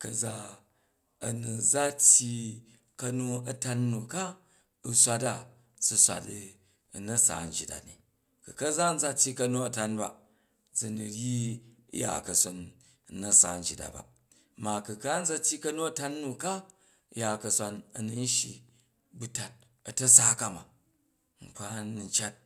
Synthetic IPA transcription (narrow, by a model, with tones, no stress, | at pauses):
kɐ˨za˦ | ɐ˨nu˨d͡za˦tʲji˧ | kɐ˧nu˦ɐ˨ta˧nnːu˨ka˦ | u˨sʷa˧ta˦˨ | t͡su˧sʷa̰˨t | nɐ˦sa̰ː˨n̩˦d͡ʒi˨ta̰˨nḭ˨ | ku˨kɐ˦za˦n̩˦d͡za˦tʲji˧kɐ˧nu˧ɐ˨ta˧nba̰˨ | d͡zi˨nu˨ɾjḭ˦ja̰˨kɐ˨so˨n˨ | nɐ˦sa̰˨n̩˦d͡ʒi˨da̰˨ba̰˨ | ma˨kɨ˨ka˦n̩˦d͡za˧tʲːi˦kɐ˦nu˦ɐ˦ta˦nː˦u˨ka˦ | ja˨kɐ˨˧sʷa˧nɐ˨nu˨n˦ʃi˨ | bu˦ta˨t̚ | ɐ˨tɐ˦sa˦ka˦ma̰˨ | ŋ͡m̩˨k͡pa˦n˨n˦t͡ʃa˦t̚